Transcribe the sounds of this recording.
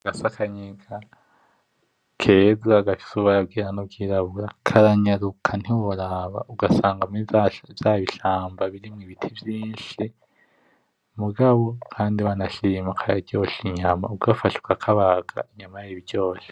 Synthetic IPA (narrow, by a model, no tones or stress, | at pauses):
ɡasakʰaɲiɡa | kʰe̞ːzaɡafi̥suβaɾabɡiːɾanubɡiːɾaβuɾakʰaɾaɲaɾukʰan̥hiwoɾaβa̰ʔuɡasaːŋɡamvjaːβiɬaːmbaβiɾimŋiβitʰivjiːnʃi | muɡaβo̞kʰaːndiβanaʃiːmakʰajaɾɟo̞ːʃiɲama̰uɡafaʃu̥kakʰaβaɡ̥a̰iɲamajiβiɾɟo̞ːʃe̥